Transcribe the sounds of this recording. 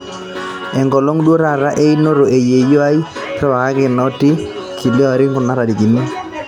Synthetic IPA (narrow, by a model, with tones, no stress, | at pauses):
ɛ˨ŋɡɔ˨lo˦ŋdwo˦ɾa˨ɾa˦ʔe˦i˦no˦ɾo˨e˨je˨jo˦a˦i˦ɾɔ˦wa˨ka˦kɪ˨nɔ˦ti˦ | kʰi˨lɪ˦ɔ˦˨ɾɪ˦ŋɡʊ˨na˦ɾa˨di˨ki˨ni˦